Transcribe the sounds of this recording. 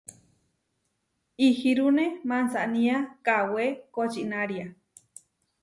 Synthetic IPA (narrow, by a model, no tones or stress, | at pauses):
ihiɾunemansaʔnĩakawekot͡ʃinaɾia